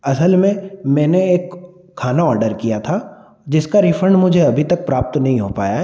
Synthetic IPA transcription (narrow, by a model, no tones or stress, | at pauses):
ɐsəlmẽmɛ̃ːneeːkʰː | aːnaɔːɾɖəɾkijat̪ʰa | d͡ʒɪskaɾifʰɾə̃ɳɖmʊd͡ʒʱeɐbʱit̪ɐk̚pɾaːp̚t̪nɐɦĩɦopa̰ːja